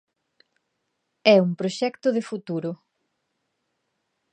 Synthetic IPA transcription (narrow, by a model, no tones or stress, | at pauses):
ɛumpɾoʃɛkt̪ʊðɪfut̪uɾʊ